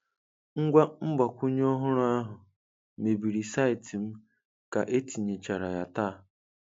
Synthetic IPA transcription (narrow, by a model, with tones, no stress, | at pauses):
ŋ̩˦ɡʷa˦m̩˦ba˨kʷu˦ɲ˦ɔ˦ɦʊ˦ɾʊ˦a˦ɦʊ˨ | me˨bi˨ɾi˨sa˦ɪ˨ti˨m̩˦ | ka˨ʔe˦ti˨ɲe˨t͡ʃa˨ɾa˨ja̰˨ta˦˨